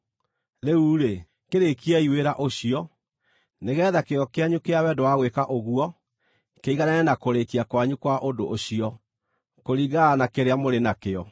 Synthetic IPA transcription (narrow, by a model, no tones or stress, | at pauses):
ɾeuːɾe | keɾekiɛiweɾaʔoɕiɔ | neɣɛːðakeɔkeaɲukeawɛdowaɣwekaʔoɣuɔ | keiɣanɛɛnakoɾekiakwaɲukwaʔodoʔːɕiɔ | koɾiɣaanakeɾeamoɾenakeɔ